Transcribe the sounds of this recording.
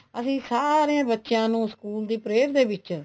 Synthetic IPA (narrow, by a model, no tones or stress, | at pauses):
əsĩːsaːɾeãːbətːʃjãːnũːskuːld̪iːpɾeːɾd̪eːbɪt͡ʃ